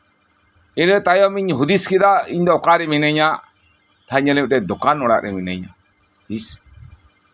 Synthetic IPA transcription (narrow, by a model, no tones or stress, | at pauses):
ilɛt̪ajɔmiɲɦud̪iskid̪aiɲd̪ɔɔkaɾɛminɛɲa | t̪ʰaɲɛliɾɛd̪ɔkanɔɽa̰ʔɾɛminɛɲa̰ | is